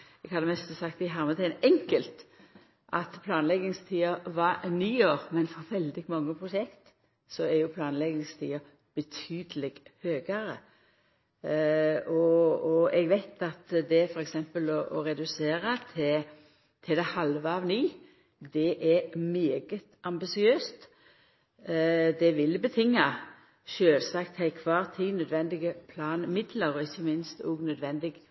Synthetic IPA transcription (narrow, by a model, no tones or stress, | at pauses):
ɛɡhɑd̪ːəmɛst̪əsɑkt̪ɪɦɑɾmət̪ʰæɪnɛŋkəlt̪ | ʔɑt̪pʰlɑːnlɛɡɪŋst̪ʰiːəʋɑniːoːɾmɛnfɔɾʋɛld̪ɪɡmɑŋːəpʰɾʊʃɛkt̪ | sɔɛɾjʊpʰlɑːnlɛɡɪŋst̪ʰḭːə | b̥ət̪ʰyːd̪əlɪɡhøːɡəɾə | ɔɔɛɡʋæɪt̪ɑt̪d̪ɛfɔʁɛksɛmpəlɔʔɔʁɛd̪ʉseːʁət̪ʰɛ | t̪ʰɪd̪ɛhɑlʋəɑʋniː | d̪ɛʔɛmeːɡət̪ʔɑmbɪsɪøːst̪ | d̪ɛʋɪlbət̪ʰɪŋːɑ | ʃøːlsɑkt̪hæɪkʰʋɑːʁt̪ʰiːnœd̪ʋɛnd̪ɪɡəpʰlɑːnmɪd̪ləʁɔɪçːəmɪnst̪ɔɡnœd̪ʋɛnd̪ɪɡ